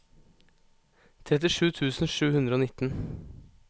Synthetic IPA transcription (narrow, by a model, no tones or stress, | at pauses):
t̪ʰɾɛt̪̬ɪʃʉːt̪ʰʉːsn̩ʃʉːhʉnd̪ɾəoːnɪt̪n̩